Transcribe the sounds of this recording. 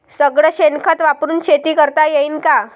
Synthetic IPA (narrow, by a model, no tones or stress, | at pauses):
səɡɭəɕenkʰət̪ʋapɾuːnɕʰet̪iːkəɾt̪ajeiːnka